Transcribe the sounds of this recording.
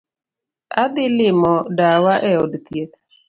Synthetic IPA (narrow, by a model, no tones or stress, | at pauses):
ad̪ɪlɪmɔdawaʔɛɔdt̪jet̪̚